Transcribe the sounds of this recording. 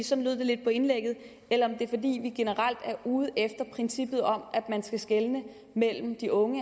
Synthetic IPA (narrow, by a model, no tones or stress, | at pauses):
sɒ̽nlyð̞̰ˠde̝le̝d̥̚pʰɒ̽e̝nleɡ̥ð̩ˠ | elɐɒ̽md̥e̝ɐfɒ̽d̥ḭːʋiɡ̥e̝nəʁɑl̰d̥æɐʔuːð̞̩ˠefd̥ɐpʰʁinsib̥ð̞̩ˠɒ̽mʔæd̥mænsɡ̥æsɡ̥elnə | mel̰m̩d̥iʔɔ̽ŋə